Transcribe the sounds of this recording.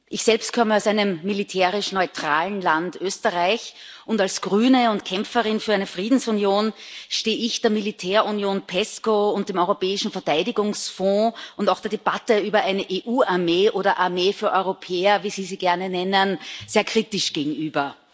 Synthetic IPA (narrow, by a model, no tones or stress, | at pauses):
ʔɪçsɛlpst̚kʰɔməaʊsæɪnəmːilitʰɛːʁɪʃnɔʏtʁ̥aːln̩lantʔøːstəʁaɪçʔʊntalsɡ̥ʁyːnəʊntkʰɛmfəʁɪnfyːɐæɪnəfʁ̥iːdn̩sunjoːnʃteːɪçd̥eːɐmilitʰɛːɐunjoːnpʰɛskoʊnt̚d̥eːmɔʏʁopɛːɪʃn̩fɛɐtaɪdɪɡʊŋsfɔ̃ːʊntaʊxd̥eːɐdeb̥atəyːbɐʔæɪnəʔeːʔuːaɐmeːʔoːɾɐʔaɐmeːfyːɐʔɔʏʁopʰɛːɐviːziːziːɡ̥ɛɐnənɛnənz̥eːɐkʁ̥iːtɪʃɡ̥eːɡŋ̩yːbɐ